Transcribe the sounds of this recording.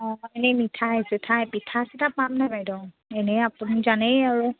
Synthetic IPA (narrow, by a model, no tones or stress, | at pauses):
ɔ̃ɛnɛmitʰaɦesɛtʰajpitʰasitapamnabajdɔ | ɛnɛapunizanɛjaɹu